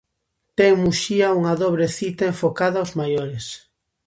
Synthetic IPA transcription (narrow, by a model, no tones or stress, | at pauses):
t̪ɛŋmuʃiauŋaðoβɾeθit̪aeɱfokaðaozmajoɾes